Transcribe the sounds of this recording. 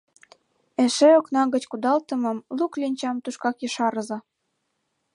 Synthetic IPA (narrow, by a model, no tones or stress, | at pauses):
eʃeoknɑɣə̆t͡ɕkud̪ɑlt̪ə̆mɤ̆mluklʲinʲt͡ɕɑmt̪uʃkɑkjəʃɑɾɤ̆zɤ̆